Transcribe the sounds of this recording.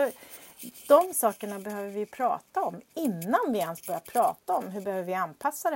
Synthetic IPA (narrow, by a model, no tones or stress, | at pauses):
ɔ | d̪̥ɔmsɑːkəɳabɛhøːvəɾvɪjɵpʰɾɑ̰ːt̪aɔmɪnːanvɪɛnstbœɾɪjaɾpʰɾɑːt̪aɔmɦɵbɛhøːvəɾvɪanpʰasːad̪ɛ